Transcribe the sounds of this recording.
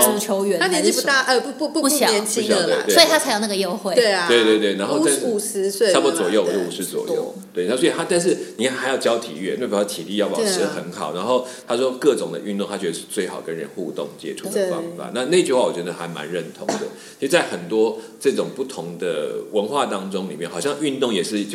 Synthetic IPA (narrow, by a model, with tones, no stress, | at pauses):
u˨˩t͡ɕʰjo˧˥ʊɥɛ˧˦nʰa˥ljɛ˧˦nt͡ɕi˥˩u˧˥t̪a˥˩ʔə˧˩˥pu˥˧pu˥˧˥ljɛ˧nt͡ɕʰi˥ɕjt̪we˥˧ɪwsɔ˧˥i˨˩a˥t͡sʰa˧˥ɪjna˥˩ɡə˩jo˥˧ʊxwe˥˩˨we˥˩ɪwe˥˧ɪt̪we˥˧ɪt̪we˥˩ɪna˧˥nxo˥˧ʊa˥˧nʂ̩u˥˨˩sɻ̩˧˥swe˥˩˧spɔ˧˥t͡swɔ˨˩jo˥˩ʊwɔ˨˦˩ɔ˥˩u˨˩ʂɻ̩˧˥t͡swɔ̰˨˩jjo̰˥˩ʊt̪we˥˩ɪna˥s̬wɔ˥i˨t̪ʰa˥t̪a˥˧nʂ̬ɻ̩˥˩ni˨˩kʰa˥nxa˧˥ɪjɑ˥˩ʊt͡ɕjɑ˥ʊt̪ʰḭ˨˩ɥɛ˥˩n˥˩pt̪ʰi˨t̪i˥˧jɑ˥˩ɑ̰˨˩ɻ̩˥xə̰˧˦nxɑ˨˩ʊna˧˥nxo˥˩ʊt̪ʰa˥ʂwɔ˦kɤ˥˩ʈ͡ʂʊ˨˩ŋd̪ə̰˦ʔy˥˧nt̪o˥˧ŋt̪ʰa˥t͡ɕʰɥɛ˧˥ə˧ʂɻ̩˥˧t͡swe˥˩ɪxɑ˨˩ʊkə˦nɻə̰˧˦nxu˥˧t̪ʊ̰˥˩ŋt͡ɕjɛ̰˥ʈ͡ʂʰu˥˩d̪ə˩fɑ̰˦ŋfa̰˨˩˦na˥˧na˥˧i˦t͡ɕy˥˧xwa˥˩wɔ˨˩t͡ɕɥɛ˧˥d̪ə˨˩xa˧˥ɪma̰˧˦nɻə˥˩nt̪ʰʊ˧˥ŋswe˥˩˨t͡ɕʰi˧˥˧t͡sa˥˩ɪxə˨˩nt̪wɔ˥ | ʈ͡ʂɤ˥˩ʈ͡ʂʊ˨˩ŋpu˥˩t̪ʰʊ˧˦ŋd̪ə̰˨wə˧˥nxwa˥˨t̪ɑ˦˥ŋʈ͡ʂʊ˥ŋli˨˩mjɛ˥˩nxɑ˨˩jɑ˥˧ŋy˥˧nt̪ʊ˥˩ŋjɛ˨˩ʂɻ̩˥˩˥